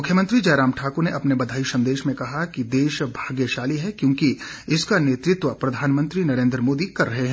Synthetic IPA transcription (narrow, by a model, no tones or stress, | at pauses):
mʊkʰjəmə̃nt̪ɾid͡ʒɛːɾaːmʈʰaːkoneʔɐpnebɐd̪ʱaːisɐ̃nd̪eːʃmẽkɐɦakid̪eːʃbʱaːɡjeʃaːliɦɛkjõːkiɪskaneːt̪ɾɪt̪ʋəpɾɐd̪ʱaːnmə̃nt̪ɾinɐɾẽːnd̪ɾəmoːd̪ikɐɾːɐɦeɦɛ̃ː